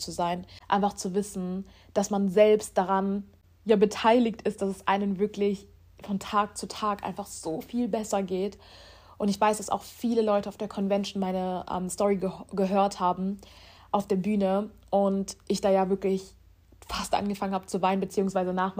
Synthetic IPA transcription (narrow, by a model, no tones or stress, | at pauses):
t͡suzaɪnʔa̰ɪnfaχt͡suvɪsn̩ | d̥asmanzɛlpstd̥aʁan | jaːbətʰaɪlɪktɪst̚d̥asɛsʔa̰ɪnənvɪɐklɪç | fɔntʰaːk̚t͡sutʰaːkʔa̰ɪnfaχz̥oːfiːlbɛsɐɡeːt | ʔʊntɪçv̥aɪsd̥asa̰ʊxfiːləlɔʏtəaʊfd̥eːɐkʰɔnvɛnʃnmaɪnəʔɛ̰ːmstɔʁiɡəɡəɦøːɐthaːbm̩ | ʔaʊfd̥eːɐbyːnəʔʊntʔɪçd̥aːjaːvɪɐklɪç | fastʔa̰nɡəfaŋənhaːbət͡suvaɪnənmbət͡siːʊŋsv̥aɪzənaːχm